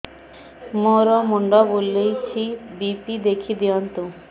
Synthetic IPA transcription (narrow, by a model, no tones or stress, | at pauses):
moɾɔmuɳɖɔbolːejt͡ɕʰibipid̪ekʰid̪iɔnt̪ũ